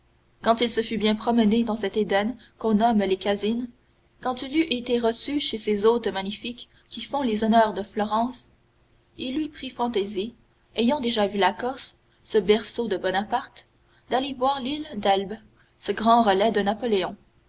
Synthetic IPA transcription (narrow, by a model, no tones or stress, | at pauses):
kɑ̃t̪ilsəfybjɛ̃pχɔməned̪ɑ̃sɛt̪ed̪ɛnkɔ̃nɔmlekazin | kɑ̃t̪ilyʔet̪eʁəsyʃesezoːt̪maɲifikʰʲː | ifɔ̃lezɔnœːʁd̪əflɔʁɑ̃ːs | ilːɥipχifɑ̃t̪ezi | ejɑ̃d̪eʒavylakɔʁs | səbɛʁsod̪əbɔnapaʁt̪ | d̪alevwaːʁlild̪ɛlb | səɡʁɑ̃ʁəlɛd̪ənapɔleɔ̃